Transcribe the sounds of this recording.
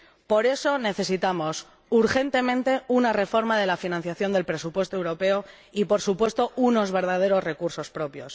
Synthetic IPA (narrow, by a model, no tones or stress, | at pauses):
po̞ɾe̞so̞ne̞θe̞sit̪amo̞s | uɾxe̞nt̪e̞mẽnt̪e̞unare̞fo̞ɾmaðe̞lafinãn̟θjaθjo̞nd̪e̞lpɾe̞supwe̞st̪oe̞wɾo̞pe̞o | ipo̞ɾsupwe̞st̪o̞uno̞zβe̞ɾð̞að̞e̞ɾo̞zre̞kuɾso̞spɾo̞pjo̞s